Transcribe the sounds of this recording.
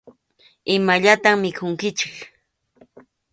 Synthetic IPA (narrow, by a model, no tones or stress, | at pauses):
ɪmaʎat̪aŋmɪkʰʊŋkɪt͡ʃɪk